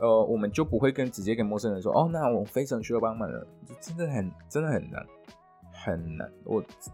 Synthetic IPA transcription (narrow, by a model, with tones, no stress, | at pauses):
ə˧wʔɔ˨˩mə˦nt͡ɕjo˥˩ʊpu˧˥xwe˥˩ɪkə˥nt͡ɕi˨˥t͡ɕjɛ˥ke˨˩ɪmɔ˥˧sə˥nɻə˧˦ʂwɔ̰˥ʔɔ˥˧na˥˨wɔ˨˩fe˥ɪʈ͡ʂʰɑ˨˧˥ŋɕy˥jɑ˥˩ʊpɑ˥ŋma˨˩nlə̰˦˨˩t͡ɕo˥˩ʈ͡ʂə˥nd̪ə˨xə˨˩nʈ͡ʂə˥nd̪ə˨˩xə˨˩nna̰˧˥n | xə˨˩nna̰˧˦˥nwʔɔ̰˨˩